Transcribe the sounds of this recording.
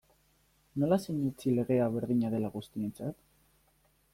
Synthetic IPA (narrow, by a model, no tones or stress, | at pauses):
no̞lase̞ɲut͡sile̞ɣe̞aβ̞e̞ɾðiɲaðe̞laɣust̪ie̞nt͡sat̪